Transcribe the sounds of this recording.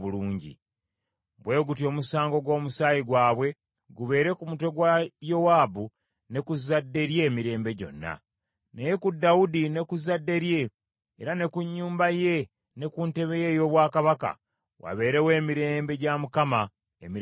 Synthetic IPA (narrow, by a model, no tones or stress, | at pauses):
uluːɲɟḭ | bwe̞ːɡutjo̞ːmusaːŋɡo̞ɡwo̞ːmusaːjiɡwaːβwe̞ | ɡuβe̞ːɾe̞kumutwe̞ɡwajo̞waːbu | ne̞kuzːadːe̞ɾje̞ːmiɾe̞ːmbe̞ɟo̞̰nːa̰ | nejekudːaudine̞kuzadːe̞ɾje̞ː | ɾane̞kuɲːuːmbaje̞ | ne̞kuːnte̞βejejo̞ːβwaːkaβaka̰ | wa̰βe̞ːɾe̞we̞ːmiɾe̞ːmbe̞ɟamukama | emi